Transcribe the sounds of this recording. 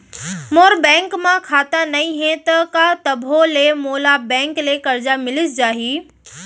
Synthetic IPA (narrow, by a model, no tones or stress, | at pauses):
moːɾbɛ̃ːŋkmãkʰaːt̪anɐĩɦẽt̪ɐkat̪ɐbʱolemoːlabɛ̃ːŋklekɐɾd͡ʑamɪlɪsd͡ʑaːɦiː